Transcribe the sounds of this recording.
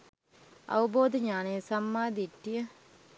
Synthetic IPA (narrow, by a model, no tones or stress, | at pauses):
ɐ̰ʋəboːd̪əɲaːnejsɐmːaːd̪iʈːijə